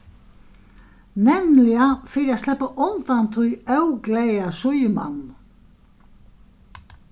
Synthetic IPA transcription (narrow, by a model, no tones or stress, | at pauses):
nɛmlɪɣafɪːɾɪaðst̪lɛhpːaʔɔnt̪ant̪ʰujœwklejasʏjʏma̰nː